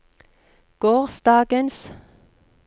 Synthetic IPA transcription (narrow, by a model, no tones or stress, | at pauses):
ɡ̥oːʁsd̪ɑːɡəns